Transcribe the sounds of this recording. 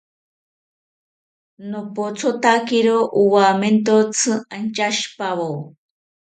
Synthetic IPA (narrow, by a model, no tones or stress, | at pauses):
nopot͡sʰot̪akiɾoʔuwament̪ot͡sʰɨant͡ʃaʃpaβow